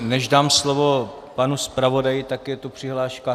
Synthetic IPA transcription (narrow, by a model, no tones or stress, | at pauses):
nɛʒdaːmslovo̞ | panuspɾavo̞dajɪt̪akjɛt̪upr̝̥ɪɦlaːʃka